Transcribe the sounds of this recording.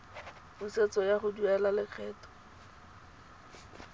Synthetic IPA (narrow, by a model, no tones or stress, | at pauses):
buset͡sɔjaχʊduɛlalɪq͡χʰɛːtɔ̥